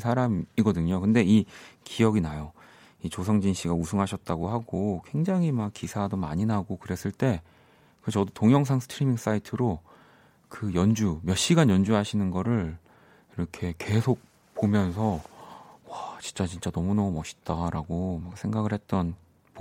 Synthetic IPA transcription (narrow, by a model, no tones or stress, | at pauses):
sʰaɾamiɡʌdɯɲokɯnde̞ikiʌɡinajo | it͡ɕos̬ʰʌŋd͡ʑinɕ͈ʰiɡausʰɯŋɦaɕʰʌt̚t͈aɡoɦaɡokwe̞ŋd͡ʑaŋimakk͈isʰadoma̰ɲinaɡokɯɾe̞s͈ɯɭt͈e̞ | kɯt͡ɕʌdotoŋjʌŋs̬ʰaŋsʰtʰɯɾimiŋs͈aitʰɯɾo | kɯjʌnd͡ʑumjʌɕ͈iɡanjʌnd͡ʑuɦaɕʰinɯnɡʌɾɯɭ | iɾʌkʰe̞ke̞sʰok̚ | pomjʌnsʰʌ | wat͡ɕint͡ɕ͈at͡ɕint͡ɕ͈anʌmunʌmumʌɕʰi̥t̚t͈aɾaɡomak̚sʰeŋɡaɡɯɭhe̞t̚t͈ʌn | po